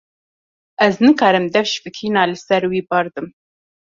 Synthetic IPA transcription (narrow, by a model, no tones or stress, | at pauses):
ʔɛznɨkʰɑːɾɨmd̪ɛfʃfɨkʰiːnaːlɨsɛɾwiːbɑɾd̪ɨm